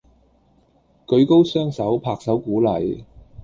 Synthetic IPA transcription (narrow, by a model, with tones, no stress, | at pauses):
kɵ˨˧ɥko˥wsœː˥ŋsɐ˨˥wpʰaː˧k̚sɐ˨˥wkuː˨˥lɐ̰˨˩j